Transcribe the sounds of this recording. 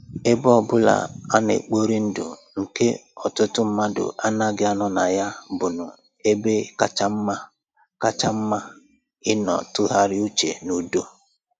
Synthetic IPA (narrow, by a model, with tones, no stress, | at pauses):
e˦bɔ˦bʊ˦la̰˨a˦nḛ˨k͡po˦ɾi˦n̩˦dʊ̰˨ŋ̩˨ke˦ɔ˨tʊ˦tʊ˦m̩˦ma˦dʊ̰˨ʔa˦na˦ɡɪ˦a˦nɔ˦na˨ja˦bʊ˨nʊ˨ | e˦be˦ka˦t͡ʃa˦m̩˦ma˦ | ka˦t͡ʃa˦m̩˦ma˦ | ɪ˦nɔ̰˨tʊ˦ɦa˦ɾɪ˦u˦t͡ʃḛ˨nu˨do˦